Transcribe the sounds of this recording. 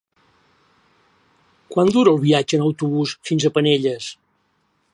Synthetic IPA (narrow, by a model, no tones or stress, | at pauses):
kwand̪uɾəːlˠβiad͡ʒənəwt̪uβusfinzəpəneʎəs